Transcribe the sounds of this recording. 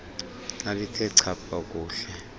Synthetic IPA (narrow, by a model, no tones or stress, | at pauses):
nalikʰʼɛǀʰab̥ʰʼʱak̬ʼuːɬɛ